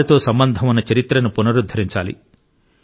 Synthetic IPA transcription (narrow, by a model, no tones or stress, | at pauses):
ɐt̪o̞ːsɐmbɐnd̪ʱɐmɐnːɐt͡ʃɐɾit̪ɾɐnupunɐɾud̪ʱːɐɾiɲt͡ʃaːlḭ